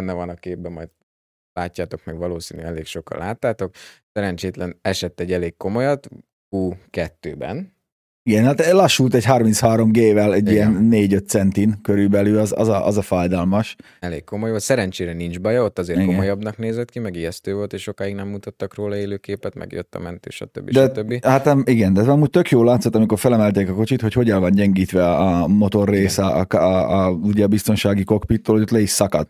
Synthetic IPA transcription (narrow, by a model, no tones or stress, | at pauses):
ɛnːɛvɒnɒkeːb̚bɛmɒjd̪ | laːcːaːt̪o̞kmɛɡʋɒloːsḭːnyɛleːkʃo̞kɒ̰laːt̪ːaːt̪o̞ksɛɾɛnt͡ʃeːt̪lɛnɛʃɛt̪ːɛɟːɛleːkko̞mo̞jɒt̪ | uːkɛt̪ːøːbɛ̰n | iɡɛnhaːt̪lɒʃːult̪ɛɟhɒrmintshaːɾo̞mɡeːvɛlɛɟijɛnːeːɟøt̪̚sɛnt̪inkøɾybɛlylɒzɒ̰zɒʔɒzɒfajd̪ɒlmɒʃ | ɛlḛːkkomojvosɛɾɛnt͡ʃeːɾɛnind͡ʒbɒjɒot̪ːɒzeːɾɡokmojɑbnɒkneːzɛt̪kimɛɡijɛst̪øːvo̞lt̪eːʃʃo̞kaːiɡnɛmːut̪ɑt̪ːɒkroːlɒeːløːkeːpɛt̪mɛ̰ɡjø̰t̪ːɒ̰mɛ̰nt̪ḛːʃɒ̰t̪ø̰bːidʃɛt̪øbːihat̪ɛiɡɛnd̪ɛɒmuːc̚t̪økjoːlːaːt̪sot̪ːɒmiko̞rfɛlɛmɛlt̪eːkɒko̞t͡ʃit̪ho̞cho̞ɟɛlvɒnɟɛŋɡiːt̪ʋɛɒːmo̞t̪o̞rːeːsɛ̰kː | uɟɛɒbist̪o̞nʃaːɡiko̞kpit̪ːoːlhoot̪lɛiʃsɒkɒt̪